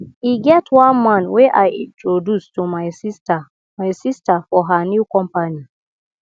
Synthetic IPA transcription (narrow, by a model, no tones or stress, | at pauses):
iɡɛtwãnmãnwɛʔajḭ̃ntʰɹodustumajsista | majsistafɔɦanikɔ̃mpani